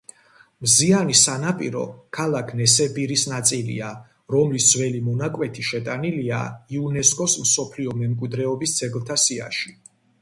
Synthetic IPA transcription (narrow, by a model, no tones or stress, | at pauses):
mzianisanapʼiɾɔ̰kʰalakʰnɛsɛbiɾisnat̪sʼilḭa | ɾɔmlisd̪zwɛlimɔnakʼwɛt̪ʰiʃɛt̪ʼanilia̰iunɛskʼɔsmsɔpʰliɔmɛmkʼwid̪ɾɛɔbisd̪z̥ɛɡlˠt̪ʰasia̰ʃi